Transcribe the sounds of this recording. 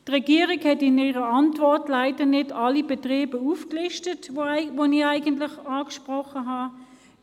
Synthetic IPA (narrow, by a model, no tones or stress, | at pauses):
tʁɛɡiəʁikhɛtɪniʁəɑntvɔɐtlaɪdənɪdɑlibɛtʁeːbəufklɪʃtətoʋoniaɪɡəntlɪχɑːkʃpʁɔχəɦɑ